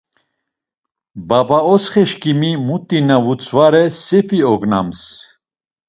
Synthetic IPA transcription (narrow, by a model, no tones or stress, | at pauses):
babaɔsχɛʃkimimut̪ʼːinavut͡sʰʼvaɾɛsɛfiɔɡna̰ms